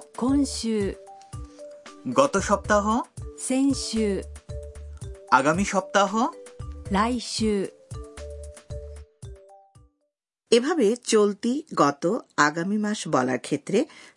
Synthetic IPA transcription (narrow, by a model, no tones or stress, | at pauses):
kʰonʃu | ɡɔt̪oʃɔp̚t̪aɦosenʃu | aɡamiʃɔp̚t̪aɦolajʃu | ebʱabet͡ɕolt̪iɡɔt̪oaɡamimaʃbɔla̰ɾkʰet̪ːɾe